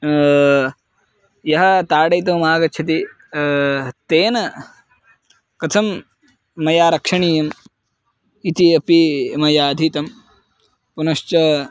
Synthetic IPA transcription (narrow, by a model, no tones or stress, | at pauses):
jɐɦɐ̆t̪aːɖɐjt̪̬ɐːmaːɡɐtːʃʰɐt̪̬i | t̪eːnɐ | kɐt̪ʰɐmː | ɐjaːɾɐkʂɐɳiːjɐm | it̪iɐpimɐjaːd̪ʱit̪ɐm | punɐʃt͡ʃɐ